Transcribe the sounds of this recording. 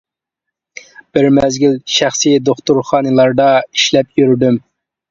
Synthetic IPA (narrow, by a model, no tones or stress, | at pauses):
b̥ɪɾmɛzɡʲilʃæχsijd̪oχt̪uɾχɑːnɨlˠɑɾd̪ɑi̥ʃlɛp̚jyɾd̪ym